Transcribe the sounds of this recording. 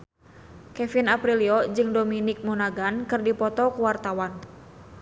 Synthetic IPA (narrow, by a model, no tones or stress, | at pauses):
kɛfinapɾiliɔd͡ʒɨŋdominik̚munaɡankɨrdipɔt̪ɔkuwart̪awan